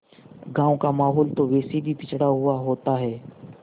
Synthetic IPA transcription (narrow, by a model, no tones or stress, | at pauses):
ɡãːõkaːmaːɦoːlt̪oːʋeːsiːbiːpɪt͡ʃʰɽaːɦʊaːɦoːt̪aːɦeː